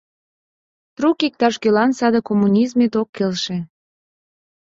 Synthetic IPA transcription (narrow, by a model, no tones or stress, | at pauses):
t̪rukik̚t̪ɑʃkølɑnsɑd̪əkomːunʲizmet̪okːelʃe